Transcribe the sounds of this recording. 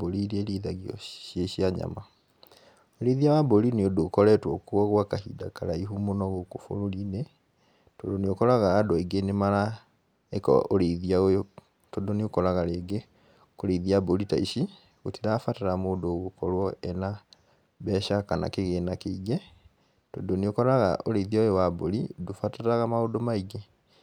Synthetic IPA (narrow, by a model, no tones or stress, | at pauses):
boɾiɾieɾiðaɣiɔ̰ʃjeʃjaɲa̰ma | oɾeðiawaboɾineodokɔɾɛtwɔkwɔɣwakahḭdakaɾaiɦumonɔɣokofo̰ɾoɾine | todoneokɔɾaɣaːdɔiɡenemaɾa | ekɔ̰oɾeðiaojo | todoneokɔɾaɣaɾeːɡe | koɾeiðiaboɾita̰iʃi | otiɾaːfataɾamoːdoɣokɔɾwɔɛna | βɛːʃakana̰keɣeːnakeiɡe | todoneokɔɾaɣa̰ʔoɾeiðiaojowaboɾidofataɾaɣamaodomaiɣe